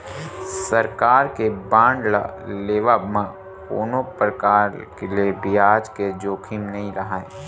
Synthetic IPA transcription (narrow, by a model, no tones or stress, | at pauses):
səɾkaːɾkebãːɳɖla̰leːʋabmã | ko̰ːnõpɾəkaːɾkeliebɪaːd͡ʒked͡ʒoːkʰimnɐɦĩɾɐɦaːe